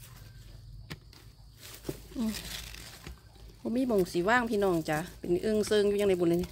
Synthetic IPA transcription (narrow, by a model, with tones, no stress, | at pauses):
ʔɯː˧˩˨ | bɔː˧˦miː˧˥˨bo˨˩ŋsi˨˦waː˥˨ŋpʰiː˧˨nɔː˧˩ŋt͡ɕa˧˦pe˨nʔɯ˧˨ŋsɤː˧˨ŋju˧a˧ŋna˧˩˦bu˧˨ne˧˨˧